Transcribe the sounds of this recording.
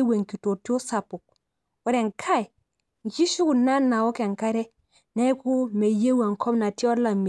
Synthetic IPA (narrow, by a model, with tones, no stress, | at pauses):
we˨ŋki˨to˨tjo˦sa˨pʊ˨k̚ | wɔ˨ɾɛ˨ŋkʰa˦˨j | n˨t͡ʃi˦ʃu˦ku˨na˦na˨wɔ˦kɛ˨ŋka˦ɾɛ˦ | nɛ˦ku˦me˨je˦wa˨ŋkʰɔ˦mna˨ti˦ɔ˦la˨me˨